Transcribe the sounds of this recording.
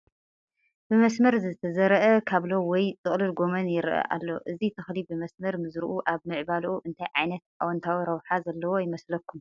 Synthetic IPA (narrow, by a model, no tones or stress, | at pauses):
b̥ɨmɐsmɐɾzɨt̪ʰɐzɐɾɐʔɐkʰaβlo̞wɔjt͡sʼɨχʼlɨlɡo̞mɐnjɪɾʔɐ̰ʔa̰lːo̞̰ʔɨzit̪ʰɨxlibɨmɐsmɐɾmɨzɾuʔuʔaβmɨʕbalʔuʔɨnt̪ʰajʕajnɐt̪ʔawɐnt̪ʰawiɾɐwħazɐlːɐwo̞jɪmɐslɐkːum